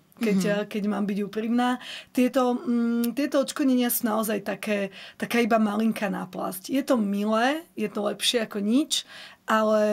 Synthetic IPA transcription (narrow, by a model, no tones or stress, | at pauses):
kɛckɛɟmaːmbiɟuːpɾiːmnaːt̪ɪɛt̪ɔt̪ɪɛt̪ɔɔt͡ʃʃkɔdɲɛɲɪasuːnaɔzajt̪akɛːt̪akaːibamaliŋkana̰pla̰scjɛt̪ɔmilɛːjɛt̪ɔlɛpʃɪɛakɔɲit͡ʃʔalɛ